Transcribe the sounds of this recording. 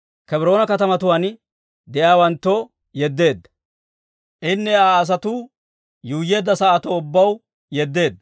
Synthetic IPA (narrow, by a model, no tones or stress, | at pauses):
kɛbɪɾo̞ːnɐkɐt̪ɐmɐt̪ʊwan | d̪ɛjaːwɐnt̪ːo | jɛd̪ːe̞ːd̪ːɐ | ʔɪnːɛaːs̬ɐt̪u | juːje̞ːd̪ːɐsɐːt̪ɔʊbːɐw | jɛd̪ːe̞ːd̪ːɐ